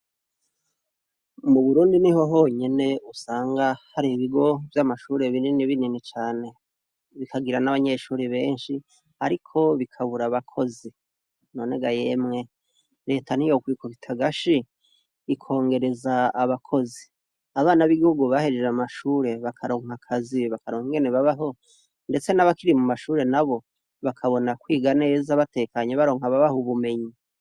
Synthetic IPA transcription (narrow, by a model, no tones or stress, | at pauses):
muβuɾuːndiniho̞ɦo̞ɲe̞ne̞usaːŋɡahaɾiiβiɡo̞vjamaʃuːɾe̞βininiβininit͡ʃaːne̞ | βikʰaɡiɾanaβaɲe̞ʃuːɾiβe̞ːnʃi | aɾikʰo̞βikʰaβuɾaβakʰo̞zi | no̞ːne̞ɡaje̞mŋe̞ | ɾe̞ːtʰanijokwiːkoβitʰaɡaʃiː | kʰo̞ːŋɡe̞ɾe̞zaːβakʰo̞zi | aβaːnaβiɡoɡoβaheɾeɾamaʃuːɾe̞βakʰaɾo̞ŋɦakʰaziβakaɾoŋiŋɡe̞ne̞βaβaɦo̞ | nde̞t͡se̞naβakiɾimumaʃuːɾe̞naβo̞ | βakʰaβo̞nakwiːɡaneːzaβate̞ːkaɲeβaɾo̞ːŋ̥aβaβahoβume̞ɲi